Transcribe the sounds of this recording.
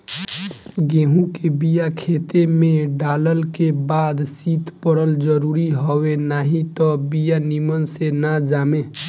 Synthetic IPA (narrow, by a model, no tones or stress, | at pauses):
ɡeɦũkebijakʰet̪emẽɖaləlkebad̪sit̪pəɽəld͡ʒəɾuɾiɦɔwenaɦit̪ɔbijanimənsenad͡ʒaːme